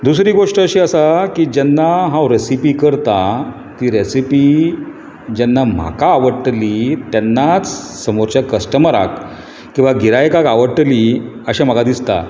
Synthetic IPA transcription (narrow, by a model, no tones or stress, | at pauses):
d̪usɾiːɡoʂʈəəɕiːəsakiːd͡ʑɛnːaɦãwɾesipikəɾt̪a | t̪iːɾesipi | d͡ʑɛnːam̤a̰kaːʋəɽʈlit̪janːat͡ssəmoɾt͡ɕjakəsʈəməɾa̰k | kːĩw̃ʋaɡiɾajkakaʋəɽʈəliəɕam̤aɡad̪ist̪a̰